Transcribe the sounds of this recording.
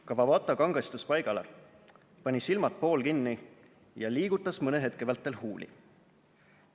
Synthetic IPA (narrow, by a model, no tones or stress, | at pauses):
kɑvɑvɑt̪ːˑɑkɑŋɡ̥ɑst̪uspɑjɡ̥ɑle̞̰ | pɑnʲisilmɑt̪̚po̞ːlkinːi | jɑliːɡ̥ut̪ːˑɑsmɤneɦe̞t̪̚ke̞vɑlt̪ːˑe̞lhuːlḭ